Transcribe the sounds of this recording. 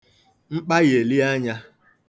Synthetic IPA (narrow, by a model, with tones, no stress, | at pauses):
ŋ͡m̩˦k͡pa˦ɣe˨li˦a˦ɲa˦